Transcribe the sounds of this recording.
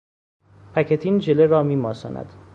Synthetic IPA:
pʰæcʰet̪ʰind͡ʒeleɾɒːmiːmɒːsɒ̰ːnʔæ̰d̪̥

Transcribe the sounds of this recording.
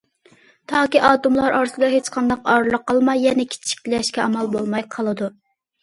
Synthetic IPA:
t̪ʰɑːkʲiʔɑːt̪umlˠɑɾʔɑɾsɨɡ̪ɑɦet͡ʃqʰɑnd̪ɑqɑɾlˠəqːɑlˠmɑjːɛnɛkʲʰi̥t͡ʃʰi̥kʲt̪lɛʃkʲɛʔɑmɑlˠbolˠmɑjqʰɑlˠɨd̪u

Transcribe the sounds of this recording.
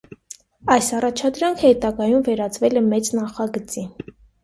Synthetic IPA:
ɑjsɑrɑt͡ʃʰɑd̪ɾɑŋkʰhɛt̪ɑɡɑjumvɛɾɑt͡svɛlɛmɛt͡snɑχɑɡət͡si

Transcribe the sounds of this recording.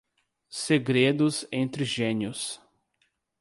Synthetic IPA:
seɡɾed̪ʊzẽnt̪ɾɪʒẽnjʊs

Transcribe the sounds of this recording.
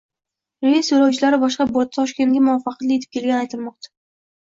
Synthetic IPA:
ɾejissoɾawt͡ʃʰɪlaɾɪbɒʃqɑboɾt̪ʰːɒʃkʲe̞nɡʲamʊɒfɑqt̪lɪe̞t̪ʰɪp̚kʲe̞lɡʲanajt̪ʰɪlmɒq̚t̪ʰḁ

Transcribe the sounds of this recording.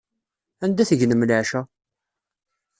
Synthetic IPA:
ænd̪æθəʝnəmləʕʃæ

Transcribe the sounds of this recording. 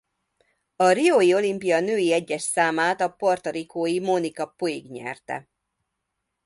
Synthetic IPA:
ɒrioːjio̞limpijɒnøːjiɛɟːɛʃsaːmaːt̪ɒpo̞rt̪oɾikoːjimonikɒpo̞jḭɡɲɛ̰rt̪ɛ̰

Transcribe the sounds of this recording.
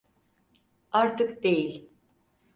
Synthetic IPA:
aɾt̪ʰɯkd̪ejilʲ

